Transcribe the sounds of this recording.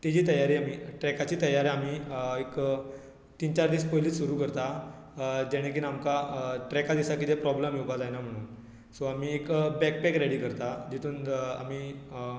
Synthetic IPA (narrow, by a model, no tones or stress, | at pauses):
t̪id͡ʑiːt̪əjaɾiːamiːʈɾɛkat͡ɕiːt̪əjaɾamiːek | t̪int͡ɕaɾd̪iːspojliːt͡ssuɾuːkəɾt̪a | d͡ʑɛɽ̃ek̬inamkaʈɾɛkad̪isakit̪epɾɔbləamiwpad͡zajnam̤əɽ̃uːn | soamiːekbɛk̚pɛkɾeɽiːkəɾt̪ad͡ʑit̪ʰuːna̰miː